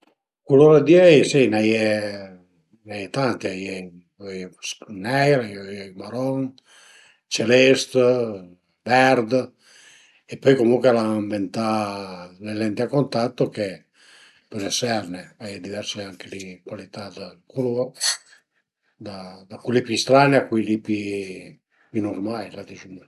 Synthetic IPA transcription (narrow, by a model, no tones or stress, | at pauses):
kuloɾad̪iɛjsinajɛ | najɛt̪ant̪iajɛ | ojsnɛjɾajojɛmaɾɔn | t͡ʃelɛst̪ | vɛrd̪ | epːɔjkomuŋkwelaaɱbent̪a | lelɛnt̪iakːont̪at̪ːoke | pɔlesɛrneajɛd̪ivɛrseaŋkelikwalit̪ad̪akulo | d̪ad̪akwelːipust̪ɾaːniakwelːipi | pinormajlat̪it͡ʃin